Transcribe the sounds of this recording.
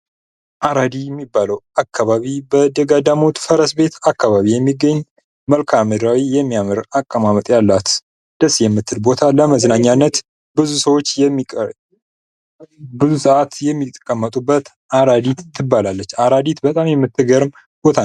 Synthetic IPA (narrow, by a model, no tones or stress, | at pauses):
ʔaɾad̪ijɛmːibːaləwakʰːaβaβibəd̪əɡad̪amo̞t̪fəɾəsbe̞t̪akːaβaβijɛmːiɡəɲː | məlkʰamɨd̪ɾawijɛmːijamɨɾakʼːəmamət̪ʼjalːat̪ | d̪̥əsjɛmːɨt̪ʰːɨlbo̞t̪ʰaləməznaɲːanːət̪ | bɨzusəwo̞t͡ʃː | bɨzusəʔat̪jɛmːit̪ʼkʼːəmːət̪ʼubːət̪ | ʔaɾad̪it̪t̪ʰːɨbalalːət͡ʃːaɾad̪it̪bət̪ʼamjɛmːɨt̪ʰːɨɡəɾm | b̥o̞t̪ʰa